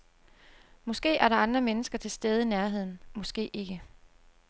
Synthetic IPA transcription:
mɒ̽sɡ̥e̝̰ːʔæɐɾɑ̈ɑ̈nd̥ʁɐmenəsɡ̥ɐt͡sʰe̝lsd̥eːð̞̩ˠinæɐɦe̝ð̞̰ˠn̩mɒ̽sɡ̥e̝̰ːʔe̝ɡ̥ə

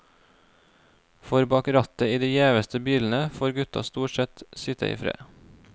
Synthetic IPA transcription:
fɔɾbɑːkɾɑt̪əiːd̪iːjeːʋəst̪ʰəbiːln̩əfoːɾɡʉt̪ɑ̰st̪uːʈsɛt̪sɪt̪ə̰ḭːfɾḛː

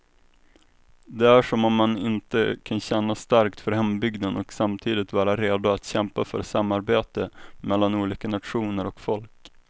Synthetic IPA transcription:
d̪ɛæʂɔmɔmːanɪnt̪ə̰kʰanɕɛnːast̪aɾkt̪fœɾhɛmbʏɡd̪ənʔɔksamt̪ʰiːd̪ɪt̪vɑːɾaɾeːd̪ʊat̪ɕɛmpafœ̰ɾsamːaɾbeːt̪əmɛlːanuːliːkanat̪ɧuːnəɾɔkfɔlk

